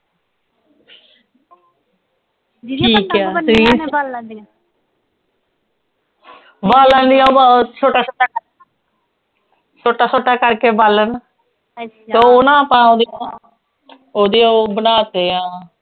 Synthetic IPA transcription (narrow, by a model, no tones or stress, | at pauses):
iːkɛːɾiːn | baːlãːnd̪ijãːot͡ʃʰoːʈaːsʰoːʈa | soːʈaːsoːʈaːkəɾkeːbalən | t̪oːʊnãːəpãːõːd̪iaː | oːd̪iːobənaːt̪eːãː